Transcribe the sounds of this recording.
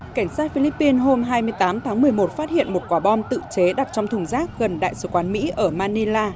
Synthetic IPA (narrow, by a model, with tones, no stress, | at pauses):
ka˧˩jŋ̟saː˦˥t̚fi˧li˦˥pːi˧nɦo˧mɦaː˧jmɨ˧əjt̪aː˨˦mt̪ʰaː˨˦ŋmɨ˨˩əjmo˨˩t̚faː˦˥t̚hḭ˧˨ənmo˨˩t̚kwaː˧˩ɓɔ˧nt̪ɨ̰˧˨t͡ɕe˨˦ɗa˨˩t̚t͡ɕɔ˧wŋ͡mt̪ʰʊ˨˧˩ŋ͡mzaː˦˥k̚ɣə˨˩nɗa̰ː˧˨jsɨ˧˩kwaː˨˦nmḭ˧˥ʔəː˧˩maː˧ni˧laː˧